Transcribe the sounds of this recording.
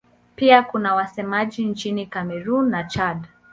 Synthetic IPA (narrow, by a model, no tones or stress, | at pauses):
piakunawasɛmaʄint͡ʃinikamɛɾunːat͡ʃad